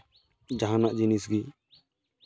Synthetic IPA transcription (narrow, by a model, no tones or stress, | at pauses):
d͡ʒaɦãnaʔd͡ʒinisɡi